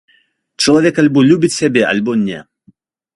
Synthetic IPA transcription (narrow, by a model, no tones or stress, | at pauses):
t͡ʂɐlˠavʲɛkalʲbɔlʲubʲit͡sʲsʲabʲɛʔa̰lʲbɔnʲɛ̰